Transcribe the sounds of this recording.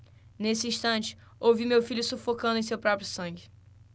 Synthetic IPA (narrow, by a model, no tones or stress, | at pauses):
nesɪĩʃt̪ɐ̃nt͡ʃɪ̥ | owvimewfiʎʊsufokɐ̃d̪ʊẽj̃s̬ewpɾɔpɾjʊsɐ̃ɡɪ